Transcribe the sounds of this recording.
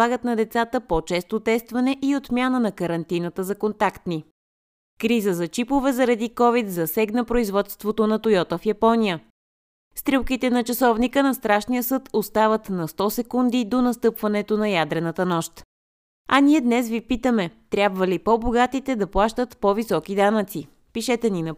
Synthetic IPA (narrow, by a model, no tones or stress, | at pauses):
aɡət̪nɐd̪ɛt̪sat̪əpot͡ʃɛst̪ot̪ɛst̪vɐnɛʔiot̪mʲjanənɐkəɾɐnt̪inət̪əzɐkont̪akt̪ni | kɾizəzɐt͡ʃipovɛzɐɾɐd̪ikɔvit̪zɐsɛɡnəpɾoizvɔt̪st̪vot̪onɐt̪ʊjɔt̪əfjɐpɔnijə | st̪ɾilˠkit̪ɛnɐt͡ʃɐsɔvnikənɐst̪ɾaʃnijəsɤt̪ost̪avət̪nɐst̪ɔsɛkund̪id̪onɐst̪ɤpvɐnɛt̪onɐjad̪ɾɛnət̪ənɔʃt̪ | ɐniɛd̪nɛsvipit̪əmɛt̪ɾʲjabvəlipɔboɡat̪it̪ɛd̪ɐplˠaʃt̪ət̪povisɔkid̪anət̪si | piʃɛt̪ɛninɐ